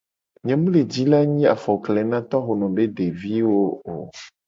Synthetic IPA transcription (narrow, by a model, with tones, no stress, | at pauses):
ɲɛ̃˨mũ˦le˨d͡ʑi˦la˦ɲĩ˦a̰˨fɔ˨klɛ˨nã˦t̪ɔ˦ɦo˨nɔ̃˨be˦ɖe˨vi˦wo˦o˨